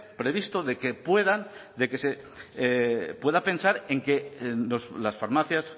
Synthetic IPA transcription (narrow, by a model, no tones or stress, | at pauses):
pɾe̞β̞ist̪oðekepweðand̪e̞ke̞se | pwe̞ðapẽ̞nsaɾe̞ŋke̞loslasfaɾmaθjas